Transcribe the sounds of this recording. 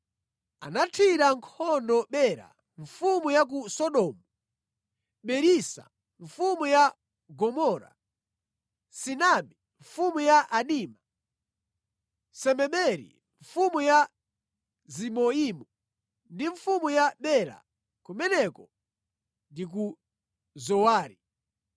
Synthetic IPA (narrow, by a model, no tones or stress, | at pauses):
a̰natʰiɾaŋkʰɔndɔɓɛɾa̰ | ɱfumujak̬usɔɗɔːmu | ɓɛɾisa̰ | ɱfumuja | ɡɔmɔɾa̰ | sinaɓɛ | ɱfumujaʔaniːma | sɛmɛɓɛɾḭ | ɱfumuja | zimɔimu | ndiɱfumujaɓɛɾa̰ | kumɛnɛkɔ | ndik̬u | zɔwaːɾi